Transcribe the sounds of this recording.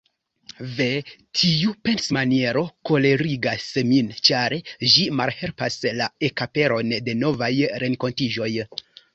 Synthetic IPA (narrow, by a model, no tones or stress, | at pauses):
ve̞tʰiupe̞nsmanie̞ɾo̞ko̞le̞ɾiɡasmint͡ʃaɾʒimalhe̞lpaslae̞kape̞ɾo̞nde̞no̞vajɾe̞ŋko̞ntid͡ʒo̞j